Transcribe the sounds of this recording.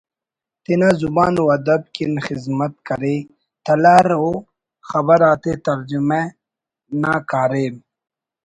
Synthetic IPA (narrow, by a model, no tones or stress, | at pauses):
t̪inazubaːnwɐd̪ɐb̚kinxizmɐt̪̚kɐɾe | t̪ɐlaːɾo | xɐbɐɾaːt̪et̪ɐɾd͡ʑime | naːkaːɾeːm